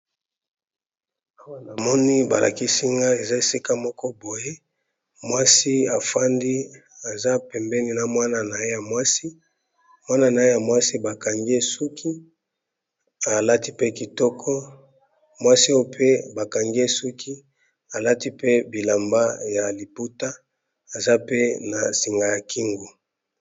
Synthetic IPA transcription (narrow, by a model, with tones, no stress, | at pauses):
a˨mɔ˦ni˦ba˨lʔa̰˨ki˦si˦ŋɡa˦e˨za˦e˨si˦ka˦mɔ˦kɔ˦bo˨je˦ | mwa˦si˦a˨fa˦ndi˦a˨za˦pɛ˨mbɛ˦ni˨na˨mwa˦na˨na˨e˦ja˨mwa˦si˦ | mwa˦na˨na˨e˦ja˨mwa˦si˦ba˨ka˨ŋɡe˦su˦kʰi˦ | a˨la˦ti˦pe˦ki˨tɔ˦kʰɔ˦ | mwa˦si˦a˦o˦pʰe˦ba˨ka˨ŋɡe˦su˦kʰi˦ | a˨la˦ti˦pe˦bi˨la˨mba˦ja˨li˨pu˦ta˦ | a˨za˦pe˦na˨si˨ŋɡa˨ja˨ki˦ŋɡu˨